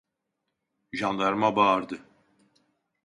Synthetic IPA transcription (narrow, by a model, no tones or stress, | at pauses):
ʒand̪ˠaɾmabaːɾd̪ɯ